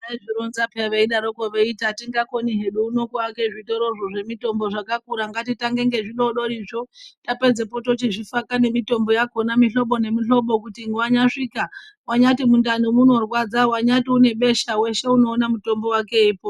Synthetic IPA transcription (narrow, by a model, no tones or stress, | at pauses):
aiʐiɾonzapaʋeiɗaɾokoʋeitatiŋɡako̞niɦeɗuːno̞kuakeʐito̞ɾo̞ʐoʐe̞mito̞mbo̞ʐakakuɾaŋɡatitaŋɡe̞ŋɡe̞ʐiɗoɗo̞ɾiʐotape̞d͡zepo̞tot͡ʃiʐifakane̞mito̞mbo̞jaɡʱonamiɬo̞ɓo̞ne̞miɬo̞ɓo̞kutiŋɡwaɲaʂika | waɲatimundanumuno̞rwad͡zawaɲatiune̞ɓe̞ʃawe̞ʃe̞uno̞ːnamuto̞mbo̞wake̞iːpo